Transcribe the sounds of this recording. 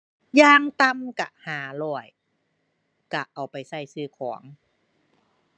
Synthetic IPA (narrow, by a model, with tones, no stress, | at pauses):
jaː˧ŋt̪a˧mka̰˧˩haː˨˦lɔː˧˩əj | ka˧˩ʔa˨˩wpa˨jsa˧˥˩jsɯː˧˩kʰɔː˩˦ŋ